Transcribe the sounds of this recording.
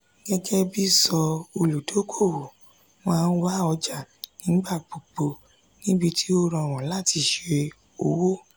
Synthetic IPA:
ɡ̥ɛ˦ɡɛ˦bi˦sɔ˧o˧lu˨do˨˦kʰo˦˨wo˨ | mãː˦˧n̩˦wa˦ɔ˧d͡ʒa˨nĩ˨˦ɡ͡ba˦˨k͡po˨k͡po˧ | nĩ˦bi˧ti˦o˦ɾɔ̃˧˨ɾ̃ɔ̃˨la˦˨ti˧ʃe˧ | o˧wo˦

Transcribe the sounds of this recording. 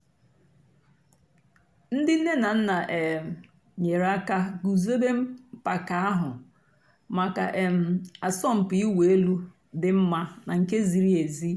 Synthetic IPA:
n̩˦dɪ˦n̩˦ne˦na˨n̩˦na˨ʔe˨ | ɲe˨ɾa˦ka˦ɡu˨zo˦be˦m̩˦pa˨ka˨a˦ɦʊ˨ | ma˨ka˨ʔe˨m̩˦˨a˨sɔ˦m̩˨pi˨˦i˦we˨e˦lu˦ | dɪ˨m̩˦ma˦na˨ŋ̩˨ke˦zi˨ɾi˦e˨zi˦

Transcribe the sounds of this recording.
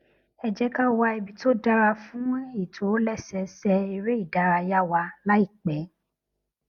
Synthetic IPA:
ɛ˧d͡ʒɛ˦ka˦wa˧i˧bi˧to˦da˦ɾa˧fũ˦i˦˨tʰo˨˦lɛ˦sɛ˧sɛ˧i˧ɾe˦i˦˨da˨˦ɾa˧ja˦wa˧la˦i˦˨k͡pɛ˨˦

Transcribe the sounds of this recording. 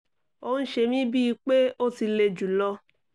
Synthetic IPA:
o˦˧˦ʃe˧mĩ˦bi˦i˧k͡pe˦o˦ti˧le˧d͡ʒu˨lɔ˧

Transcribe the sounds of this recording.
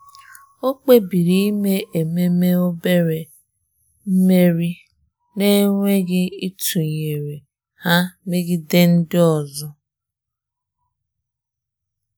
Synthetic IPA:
o˦k͡pe˦bi˨ɾi˦me˦ʔe˨me˦me˦o˦be˦ɾe˨ | m̩˦me˦ɾi˦ | ne˦ŋʷe˦ɡɪ˦i˦tu˨ɲe˨ɾe˨ | ha˦me˦ɡɪ˦de˦n̩˦dɪ˦ɔ˨zɔ˦

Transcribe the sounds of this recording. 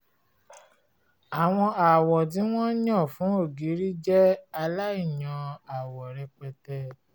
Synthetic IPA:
a˨w̃ɔ̃˧a˨wɔ˨t̬i˨˦w̃ɔ̃˦ɲɔ̃˦˨fũ˨˦o˦˨ɡi˨˦ɾi˦d͡ʒɛ˦a˧la˦i˦˨jã˧a˨wɔ˨ɾɛ˧k͡pɛ˧tɛ˧

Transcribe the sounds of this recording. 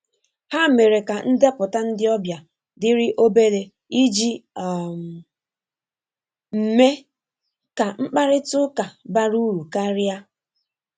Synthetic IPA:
ha˦˨me˨ɾe˨ka˨n̩˦de˦pʊ˨ta˦n̩˦dɪ˦ɔ˦bja˨ | dɪ˦ɾɪ˦ʔo˦be˦de˨ | i˦d͡ʒi˦˨ | m̩˨me˦ | ka˨ŋ͡m̩˦k͡pa˦ɾɪ˦tʊ˦ka˨ba˦ɾu˦ɾu˨ka˦ɾja˦

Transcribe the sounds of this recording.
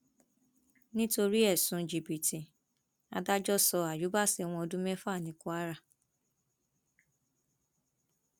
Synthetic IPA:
nĩ˦to˧ɾi˦ɛ˦˨sũ˨˧d͡ʒi˨bi˨tĩ˨ | a̰˧da˦d͡ʒɔ˦˨sɔ˧a˨ju˨˦ba˦˨sɛ˨w̃ɔ̃˧ɔ˧dũ˦mɛ̃˦fa˦˨nĩ˨ku˦a˦ɾa˦˨

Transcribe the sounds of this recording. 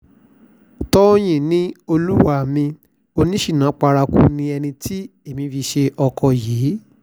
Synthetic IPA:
tɔ˦j̃ĩ˦˨nĩ˦o˧lu˦wa˦˨mĩ˧ | o˧nĩ˦ʃi˦˨nã˨˦k͡pa˧ɾa˧kṵ˦nĩ˧ɛ˧nĩ˧tʰi˦e˦˨mĩ˧fi˧ʃe˧ʔɔ˧kʰɔ˧jiː˨˦

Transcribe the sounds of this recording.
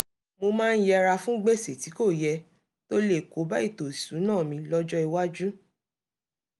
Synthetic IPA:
mo˧mãː˦˧n̩˦jɛ˧ɾa˧fũ˦ɡ͡be˦˨se˨ti˨˦ko˦˨jɛ˧ | to˦le˦˨ko˨˦ba˦i˦˨to˨sũ˨˦nãː˦˨mĩ˧lɔ˦d͡ʒɔ˦i˧wa˦d͡ʒu˦

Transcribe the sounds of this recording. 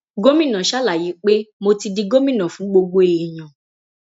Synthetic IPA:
ɡo˦mĩ˦˨nã˨ʃa˦la˦˨ji˨˦k͡pe˦mo˧ti˧di˧ɡo˦mĩ˦˨nã˨fũ˨˦ɡ͡bo˧ɡ͡bo˦e˨i˨j̃ã˨

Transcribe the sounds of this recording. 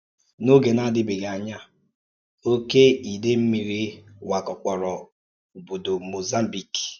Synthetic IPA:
no˦ɡe˨na˦dɪ˦be˨ɡa˨ɲa˦ | o˦ke˦i˨de˦m̩˦mi˨ɾi˦wa˨kɔ˨k͡pɔ˨ɾɔ˨ | u˨bo˨do˨mo˨za˦m̩˦bi˨k

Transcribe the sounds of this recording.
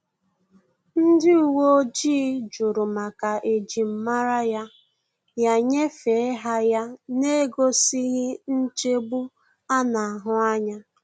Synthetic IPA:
n̩˦dɪ˦u˨wo˦o˦d͡ʒiː˦d͡ʒʊ˨ɾʊ˨ma˨ka˨ʔe˨d͡ʒi˨m̩˦ma˦ɾa˦ja˦ | ja˦˨ɲe˦fe˨e˦ɦa˦ja˦ne˦ɡo˦si˦ɦɪ˦n̩˦t͡ʃe˦bu˦ | a˦na˨a˨ɦʊ˦a˦ɲa˦

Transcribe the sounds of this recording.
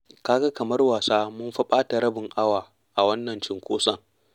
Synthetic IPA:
kaː˦ɡa˦kɐ˨mɐ˦rwaː˨saː˦mʊ˦mɸɐ˦ɓaː˦ta˨ɾɐ˦bɪ˨ŋʔa˦waː˨ | ʔa˨wɐ˦nːɐ˨nt͡ʃɪ˨ŋkʷoː˦sʼɐ˦˨ŋ

